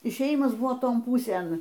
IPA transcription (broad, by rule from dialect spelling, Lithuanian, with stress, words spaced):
ɪʃʲeːˈjɪmɐs ˈbʊʋoː ˈtoːn ˈpuːsʲeːn